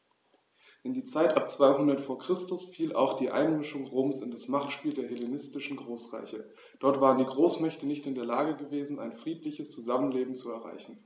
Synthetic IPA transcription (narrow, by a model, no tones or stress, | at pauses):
ʔɪndiːt͡saɪtʔap̚t͡sv̥aɪɦʊndɐtfoːɐkʁ̥ɪstʊsfiːlʔa̰ʊxd̥iːʔa̰ɪnmɪʃʊŋʁoːmsɪndasmaχtʃpiːldeːɐhelenɪstɪʃn̩ɡʁoːsʁa̰ɪçə | d̥ɔɐtv̥aːʁəndiːɡʁoːsmɛçtənɪçtɪndeːɐlaːɡəɡəveːzn̩a̰ɪnfʁ̥iːtlɪçəst͡suzamənleːbm̩t͡suɛɐʁa̰ɪçn̩